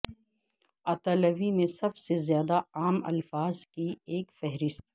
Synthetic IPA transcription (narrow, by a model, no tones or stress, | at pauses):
aːt̪ɐlɐʋimẽsɐbsezjaːd̪aaːmɐ̰lfaːzkieːkfɛɦɾɪst̪